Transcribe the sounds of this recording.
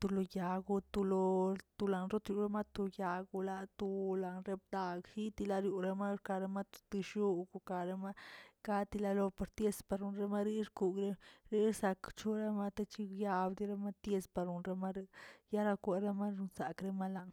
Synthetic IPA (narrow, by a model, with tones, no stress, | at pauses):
t̪u˧lo˧ja˨ɡu˧t̪u˧lo˧t̪u˧la˨nɾo˦t̪ɾju˧ɾe˦ma˦t̪u˧ja˨ɡu˧la˧t̪u˧la˨nɾe˧b̚d̪a˧ɡhi˦t̪i˧la˧ɾju˧ɾe˧ma˦ka˧ɾe˦ma˦t̪u̥˧t̪i˧ʃu˦ɡu˧ka˧ɾe˧ma˦ka˦t̪i˧la˧lo˧pa˧ɾt̪je˦spa˧ɾu˧˨nɾe˦ma˦ɾi˦ɾku˧ɡɾe˦ɾi˦ɾsa˧kt͡ʃu˦ɾa˦ma˦t̪e˦t͡ʃi˦ja˧bd̪i˧˦ɾe˦ma˦t̪je˧spa˧ɾu˨nɾe˧ma˦ɾe˧ja˦ɾa˧kʷe˧ɾe˦ma˦ɾu˧nsa˨kɾe˦ma˦la˧˨ŋ